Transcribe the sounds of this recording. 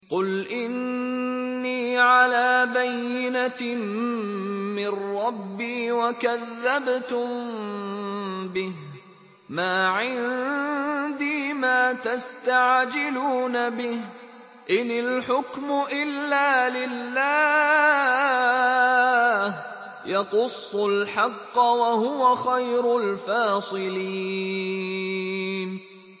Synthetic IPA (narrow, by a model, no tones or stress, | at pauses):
qʊlʔɪnː | iːʕalaːbajːɪna | mɪnɾɑbːiːwakaðːabt̪ʊm | bɪh | maːʕɪn | d̪iːmaːt̪ast̪aʕd͡ʒɪluːnabɪh | ʔɪnɪlħʊkmʊʔɪlːaːlɪlːaː | h | jɑqʊsˤːʊlħɑqːɑwahʊwaxajɾʊlfɑːsˤɨli | n